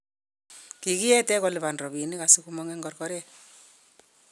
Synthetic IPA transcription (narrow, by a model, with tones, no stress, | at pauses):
ki˨ki˦ɛ˦tɛ˦kɔ˨li˨βa˨nrɔ˨βi˨ni˦ka˨si˦ku˦mɔ˦ŋɛ˦ŋɡɔɾkɔ˦ɾɛ˦